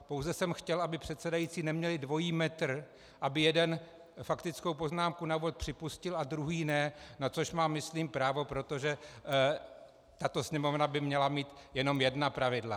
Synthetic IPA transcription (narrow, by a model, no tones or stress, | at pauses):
po̞wzɛsɛmxcɛlʔabɪpr̥ɛt̪sɛdajiːt͡siːnɛmɲɛlɪdvo̞jiːmɛt̪r̩ | ʔabɪjɛdɛn | fakt̪ɪt͡sko̞wpo̞znaːmkunauvot̪̚pr̥ɪpuscɪlad̪ɾuɦiːnɛnat͡so̞ʃmaːmɪsliːmpɾaːvo̞pɾo̞t̪o̞ʒɛ | t̪at̪o̞sɲɛmo̞vnabɪmɲɛlamiːt̪jɛno̞mjɛdnapɾavɪdla̰